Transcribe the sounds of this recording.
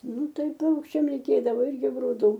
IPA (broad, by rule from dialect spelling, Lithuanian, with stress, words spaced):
ˈnʊ ˈtɐɪ ˈpɐʊkʃʲt͡ʃʲɛm ˈrʲɛɪkʲeːdɐʋoː ˈɪrʲɡʲɪ ɡrʊˈduː